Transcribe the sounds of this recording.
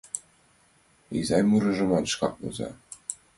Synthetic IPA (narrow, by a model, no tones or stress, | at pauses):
ḭzɑjmuɾɤ̆ʒɤ̆mɑnʃkɑ̰k̚bo̰zɑ̰